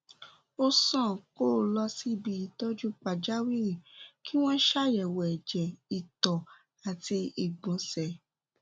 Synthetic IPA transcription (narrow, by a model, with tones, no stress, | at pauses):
o˧sɔ̃˦˨ko˦˨lɔ˧si˦˨bi˧˦i˧tɔ˦d͡ʒu˦k͡pa˨d͡ʒa˦wi˦ɾĩ˦˨ki˦w̃ɔ̃˦ʃa˦jɛ˨wɛ˨ɛ˨d͡ʒɛ˨i˨tɔ˨ | a˨ti˧i˨ɡ͡bɔ̃˨˧˦sɛ˨